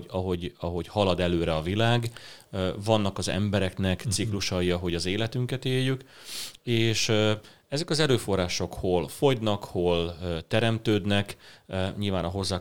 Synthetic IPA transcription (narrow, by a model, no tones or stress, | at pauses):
ɒɦo̞ɟɒɦo̞ɟhɒlɒd̪ɛløːɾɛɒvilaːɡ | vɒnːɒkɒzɛ̰mbɛɾɛknɛkt̪sikluʃɒjiɒɦo̞ɟɒzeːlɛt̪yŋkɛt̪eːjːyk | eːʃ | ɛzɛkɒzɛɾøːfo̞rːaːʃo̞kholfo̞jd̪nɒkholt̪ɛɾɛmt̪øːd̪nɛkɲilvaːnɒɦo̞zːaː